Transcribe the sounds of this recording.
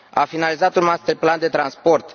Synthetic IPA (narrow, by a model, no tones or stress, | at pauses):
afinalizat̪unmast̪epland̪e̞t̪ɾanspo̞rt̪